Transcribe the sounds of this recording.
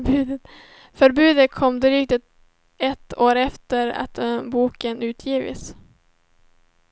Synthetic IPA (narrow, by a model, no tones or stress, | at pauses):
ʉːd̪ət̪ | fœɾbʉ̟ːd̪ət̪̚kʰɔmd̪ɾyːk̚t̪ət̪ | ɛt̪ʰːoːɾɛft̪əɾa̰t̪buːkənʉ̟ːt̪ʰjiːvɪ̰s